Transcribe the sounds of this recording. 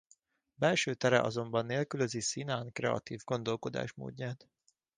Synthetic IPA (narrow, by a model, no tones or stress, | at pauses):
bɛlʃøːt̪ɛɾɛ̰ʔɒ̰zo̞mbɒnːeːlkyløzisinaːnkrɛ̰ɒ̰t̪iːvɡo̞n̪d̪o̞lko̞d̪a̰ːʃmo̰ːd̪ɲaːt̪